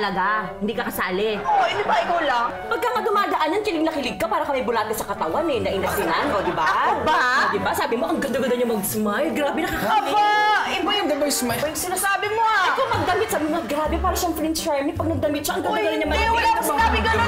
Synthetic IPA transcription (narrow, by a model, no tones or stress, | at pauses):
ɐlɐɡaɪnd̪iːkɐkɐsaːlɛʔoɪnd̪ibɐɪkolɐŋ | pɐɡ̚kaŋɐd̪ʊmaːd̪ɐʔanːɐnkɪlɪɡ̚nɐkɪlɪɡ̚kːɐpaːɾɐkɐmɐjbʊlaːɡ̪ɐsɐkɐt̪ɐwanɛnɐʔɪnɐsɪnanod̪ɪbaɐobaabɪbasaːbɪmoʔɐŋɡɐnd̪ɐɡɐd̪ɐɲʊmɐɡsmajɡɾaːbɪnɐkakɐabaɪbɐjʊŋɡɐnd̪oŋsmajbɐjʊŋsɪnaːsaːbɪmoɐkopɐɡ̚d̪ɐmɪt̪saːbɪmoɐɡɾaːbɛpaːɾɐʃaɐŋfɾɛnt͡ʃɛɹmɪpɐɡ̚nɐɡ̚d̪ɐmɪt̪̚ʃaɐŋɡɐnaɡd̪ɐɲɐmɐasnaːbɪɡɐno